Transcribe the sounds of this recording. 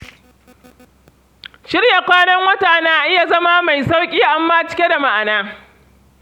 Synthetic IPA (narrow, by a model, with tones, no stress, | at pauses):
ʃɪ˦rja˨kʷaː˦nɐ˦ŋwɐ˦taː˨naː˦a˨ʔɪ˦ja˨zɐ˦maː˦ma˨jsa˦wkʲʼiː˦ʔa˦mːaː˦t͡ʃɪ̥˦kʲe˦da˨ma˦ʔa˨naː˦